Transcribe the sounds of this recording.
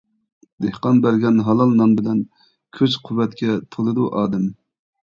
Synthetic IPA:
d̪ehqɑnbæɾɡʲɛnɦɑlˠɑlˠnɑmbɪlɛn | kʲʰøzqʰuwɛt̪kʲɛt̪ʰolˠɨd̪uʔɑːd̪ɨm

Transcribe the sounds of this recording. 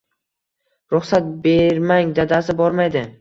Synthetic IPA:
ɾʊχsat̪̚beɾmaŋd̪ad̪asɪbɒɾmajd̪ɪ

